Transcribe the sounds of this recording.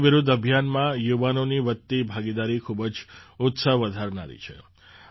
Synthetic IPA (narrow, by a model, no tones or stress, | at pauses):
ʋɪɾud̪ʱəbʱjanmãjuʋanoniʋət̪ːibʱaɡid̪aɾikʰubəd͡ʒʊt̪səɦʋəd̪ʱaɾna̰ɾḭt͡ʃʰḛ